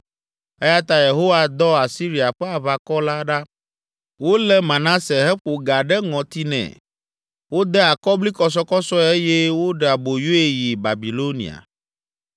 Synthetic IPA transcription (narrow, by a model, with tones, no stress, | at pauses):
ɛ˦ja˦t̪a˦je˨ɦo˦wa˨d̪ɔ˦a˨si˦ɾi˨a˨ɸɛ˦a˨βa˨kɔ˦la˦ɖa˦ | wo˦lɛ˦mã˨nã˦se˨ɦɛ˦ɸo˨ɡa˨ɖɛ˦ŋɔ̃˨t̪i˦nɛ̰̃˨ | wo˦d̪ɛ˦a˨kɔ˦bli˦kɔ˦s̬ɔ˦kɔ˦sɔ˦e˦jɛ˦wo˦ɖɛ˨a˨bo˨jo˦e˦ji˨ba˨bi˨lo˦nḭ˨a̰˨